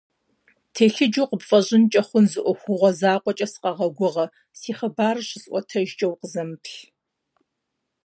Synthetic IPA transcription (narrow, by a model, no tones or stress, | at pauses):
tʰeːɬɪd͡ʒuːqəpfʼɐʑɪnt͡ʃʼɐχʷʊnzɨʔʷɔxʷʊʁʷɔzaːqʷɔt͡ʃʼɐsɨ̥qɐʁɐɡʷʊʁɐ | siːχɐbaːrɕɪzʼʔʷɔtʰɐʒt͡ʃʼɐwqəzɐmɨpʰɬ